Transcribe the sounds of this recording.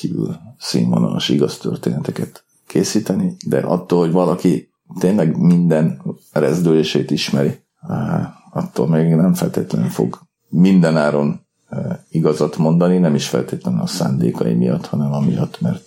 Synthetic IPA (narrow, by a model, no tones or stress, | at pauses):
kiːvy̰lsḭɱvonɒloʃiɡɒst̪ørt̪eːnɛt̪ɛkɛt̪ | kʰeːsiːt̪ɛnid̪ɛ̰ʔɒ̰t̪ːoːlho̞ɟvɒlɒki | t̪eːnlɛɡmind̪ɛn | rɛzd̪øleːʃeːt̪iʃmɛɾi | ɒt̪ːoːlmeːɡnɛɱfɛlt̪eːt̪lɛɛɱfo̞̰ɡ | mind̪ɛnaːɾo̞n | iɡɒzɒt̪mo̞nd̪ɒninɛmiʃfɛ̰lt̪eːt̪lɛnnɒsa̰ːnd̪ḛːkɒjḭmijɒt̪hɒnɛmɒmijɒt̪ːmɛrt̪